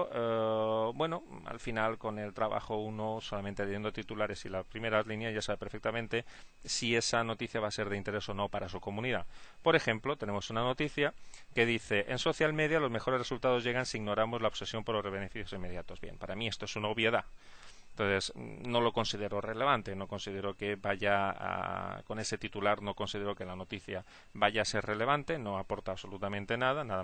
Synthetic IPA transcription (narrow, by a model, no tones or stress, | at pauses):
bwe̞no̞a̰lfinalko̞ne̞lt̪ɾaβa̰xounoso̞lament̪eleje̞nd̪ot̪it̪ulaɾe̞silapɾime̞ɾazlinjazʝasaβe̞peɾfek̚t̪amẽnt̪e̞sie̞sano̞t̪iθjaβase̞ɾð̞eint̪e̞ɾe̞so̞no̞paɾasuko̞muniðapo̞ɾe̞xe̞mplo̞t̪e̞ne̞mo̞sunano̞t̪iθjake̞ðiθe̞ʔenso̞θjalme̞ðjalo̞zme̞xo̞ɾeresult̪aðo̞zʝe̞ɣansiːɣno̞ɾamozlaoβse̞sjo̞mpoɾlo̞reβ̞e̞ne̞fiθjosimːe̞ðjat̪o̞zβje̞̰mpaɾamiest̪oesunaoβjeða | nt̪onθe̞zno̞lo̞ko̞nsið̞eɾo̞re̞le̞β̞ant̪e̞no̞ko̞nsið̞e̞ɾo̞kebaʝaa̰ko̞ne̞se̞t̪it̪ulaɾno̞ko̞nsið̞eɾoke̞lano̞t̪iθja | βaʝaːse̞ɾre̞le̞β̞ant̪e̞no̞apo̞ɾt̪aːβso̞lut̪amẽnt̪e̞nað̞anaða